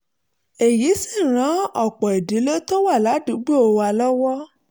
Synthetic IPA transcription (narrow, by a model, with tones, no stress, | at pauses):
e˨ji˨˦si˦˨ɾ̃ã˨˦ɔ˦˨k͡pɔ˨e˨di˨˦lo˦to˦wa˦˨la˨˦dũ˨˦ɡ͡bu˦o˧wa˧lɔ˦wɔ˦